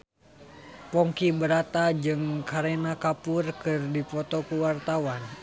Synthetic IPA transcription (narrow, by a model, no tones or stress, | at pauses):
pɔŋkibəɾat̪ad͡ʒɨŋkaɾenakapurkɨrdipɔt̪ɔkuwart̪awan